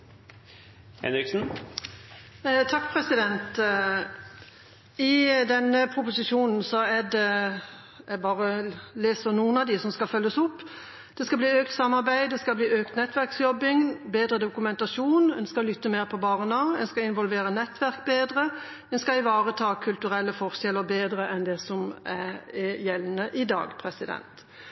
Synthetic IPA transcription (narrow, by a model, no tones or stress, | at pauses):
hɛ̰nɾɪksn̩ | t̪ʰɑkːpʰɾɛsɪd̪ɛnt̪ | ɪd̪ɛnːəpʰɾʊpʊsɪʃuːnn̩sɔæd̪ɛ | æbɑːʁəleːsəɾnuːənɑd̪ɪsɔmskɑlfœlːəsʊpː | d̪̥ɛskɑbliːøːk̚t̪sɑmːɑɾbæɪd̪ɛskɑbliːøːkt̪nɛt̪ːʋæɾksjɔbːɪŋbeːd̪ɾəd̪ʊkʉmɛnt̪ɑʃuːnɛnskɑlʏt̪ːəmeːɾpʰɔbɑʁɛnɑːɛnskɑɪnʋɔlʋeːɾənɛt̪ːʋæɾkbeːd̪ʁə | ɛnskɑɪʋɑːʁət̪ʰɑːkʰʉlt̪ʉɾɛlːəfɔʁʃɛləbeːd̪ɾəʔɛnd̪ɛsɔmæjɛlnəʔɪd̪ɑ̰ːɡpʰɾɛsɪd̪ɛ̰nt̪